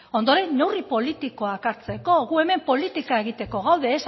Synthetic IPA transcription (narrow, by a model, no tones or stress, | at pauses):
o̞nd̪o̞ɾe̞nːe̞wripo̞lit̪iko̞akaɾt͡se̞ko̞ɣue̞me̞mpo̞lit̪ikae̞ɣ̞it̪e̞ko̞ɣ̞awðe̞ːs